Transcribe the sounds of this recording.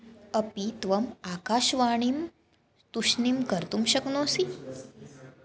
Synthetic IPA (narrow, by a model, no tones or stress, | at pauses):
əpit̪ʋəmakaːɕʋaɳ̃im | t̪uɕnimkəɾt̪umɕəknõːsi